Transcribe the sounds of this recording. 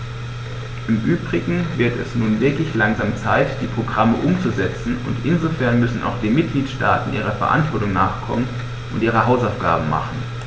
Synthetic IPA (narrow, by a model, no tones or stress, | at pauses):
ʔɪmʔyːbʁɪɡŋ̩vɪɐtɛ̰snuːnvɪɐklɪçlaŋzaːmt͡saɪtd̥iːpʁ̥oɡʁaməʔʊmt͡suzɛt͡sn̩ʊ̰ntʔɪnzofɛɐnmʏsn̩ʔa̰ʊxd̥eːnmɪt̚ɡ̥liːtʃta̰ːtn̩ʔiːʁ̞ɐfɛɐʔa̰ntv̥ɔɐtʊŋnaːχkʰɔ̰mən | ʔʊntʔiːʁ̞əɦaʊsaʊfɡ̥a̰ːbm̩ma̰χn̩